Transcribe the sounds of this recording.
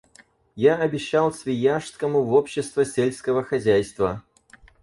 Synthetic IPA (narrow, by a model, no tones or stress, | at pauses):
jaɐbʲɪɕːalˠsʲvʲɪjaʂskəmʊvopɕːɪst̪vəsʲelʲskəvəxɐzʲæjst̪və